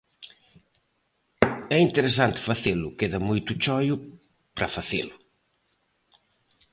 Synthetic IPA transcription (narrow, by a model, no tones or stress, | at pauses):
ɛint̪eɾes̬ant̪faθelukeðɐmujt̪ut͡ʃɔju | pɾafaθḛlu